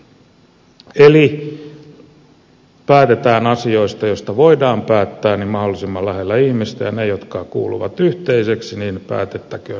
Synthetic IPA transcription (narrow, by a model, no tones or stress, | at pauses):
eli | pæːt̪et̪æːnɑsio̞ist̪ɑjost̪ɑʋoidɑːmpæːt̪ːæːnimɑholːisimːɑlæhelːæihmist̪æjɑnejot̪kɑːkṵːlṵʋɑ̰t̪yht̪eiseksiniːnpæ̰ːt̪et̪ːækøː